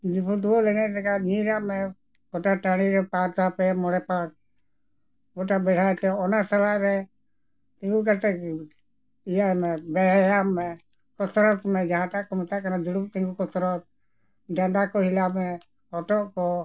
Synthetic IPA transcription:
d͡ʒipʰuʈuɔlɛnɛtɛkaniɾamɛ | ɡɔʈaʈaɽ̃iɾɛpaɾt̪apɛmɔɽɛpak̚ | ɡɔʈabɛɽ̤ʰʱat̪ɛɔnasalaɾɛ | t̪ĩŋɡuk̬aɾt̪ɛ | ijamɛbɛjamɛ | kɔsɾɔt̪mɛd͡ʒaɦãʈaʔkɔmɔt̪akanad͡ʒuɽumt̪ɛ̃ŋɡukɔtɾɔt̪̚ | ɖaɳɖakɔɦilabmɛ | ɔʈɔʔkɔ

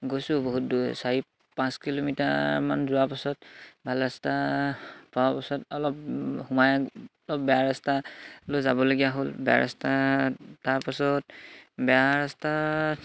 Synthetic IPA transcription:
ɡojsʊ̃boɦut̚dusaɹi | pãskilomita̰ma̰nzʊapasɔtbʱalasta | paapasɔtɔlɔp̚humaj | lɔp̚bɛjaɹastalojzabɔloɡijaɦolbɛa̰ɹa̰stataɹpasɔtbɛaɹasta

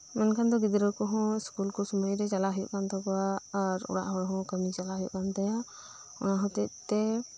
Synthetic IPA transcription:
mɛnkʰand̪ɔɡid̪ɾəkɔɦɔ̃skulkɔsɔmɔjɾɛt͡ʃalaɦɔjɔ̰ʔkʰant̪ɔkɔwaːɾɔ̰ɽa̰ʔɦɔɽɦɔ̃kəmit͡ʃalaɦujṵʔkʰant̪aja | ɔ̰naɦɔ̃t̪ɛʔ̚t̪ɛ

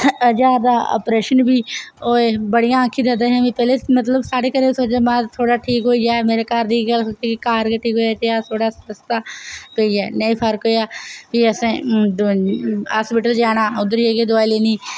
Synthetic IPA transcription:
əd͡ʒaːɾd̪aːo̰ːpɾeːʃənbʱiːoːebəɽijãːəkʰid̪əd̪eɦɛ̃ːʋĩːpɛːleːmət̪̬ləbsaːɽeːkəɾeːsoːt͡ʃeːmãːt̪ʰoːɽaːʈʰiːkɦoːiɛːmeːɾekaːɾd̪iɡəlk̪iːkikaːɾɡəʈʰːiːkoɛːt̪eaːt̪ʰoːɽaːsəɾəst̪aːpeːiɛːnəĩːpʰəɾkɦoːiaːbiəsẽː | ɦaːspɪʈəld͡ʒaːñaːʊd̪əɾieɡeːd̪ʊaːileːniː

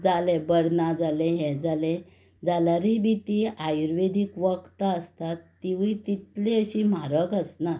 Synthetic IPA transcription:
d͡zalɛ̃bəɽnad͡zalɛ̃ɦɛ̃d͡zalɛ̃ | d͡zalaɾibit̪iajuɾʋed̪ʱikʋəkt̪aəst̪at̪ːiʋiit̪it̪lẽəɕim̤aɾəkəsna

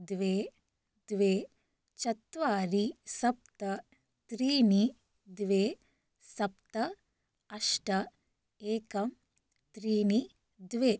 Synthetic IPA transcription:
d̪ʋeː | d̪ʋeː | t͡ʃɐt̪ʋaːɾisɐp̚t̪ɐ | t̪ɾiːni | d̪ʋeː | sɐpt̪ɐ | ɐʃʈɐ | eːkɐm | t̪ɾiːni | d̪ʋeː

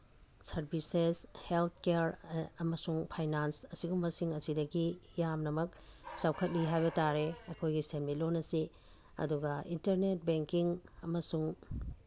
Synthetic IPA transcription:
sɐɾbʱiseshelt̪̚ʰkeɾɐmɐsuŋpʰajnansɐsiɡumːɐsiŋɐsidɐɡijamnɐmɐk̚ | sawkʰɐt̚liɦajbɐtaɾeɐkʰojɡisemit̚lonːɐsi | ɐ̰duɡɐintɐɾnet̚beŋkiŋɐmɐsuŋ

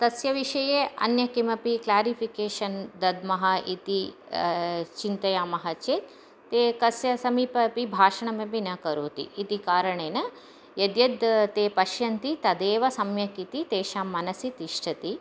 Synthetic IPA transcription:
t̪ɐsjɐʋiʃɐjeːɐ̰njɐkimɐpiklaːɾipʰikeːʃɐnd̪ɐd̪mɐɦɐʔit̪i | t͡ʃint̪ɐjaːmɐɦɐt͡ʃeːt̪̚ː | eːkɐsjɐsɐmiːpɐpibʱaːʃɐɳɐmɐbinɐkɐɾoːt̪ḭːt̪ikaːɾɐɳeːnɐ | jɐd̪jɐd̪t̪eːpɐʃjɐnt̪it̪ɐd̪eːʋɐsɐmjɐkit̪it̪eːʃaːmːɐnɐsit̪iʂʈʰɐt̪i

